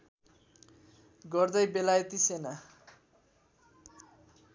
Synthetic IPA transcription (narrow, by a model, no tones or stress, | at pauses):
ɡʌrd̪ʌjbelajet̪isena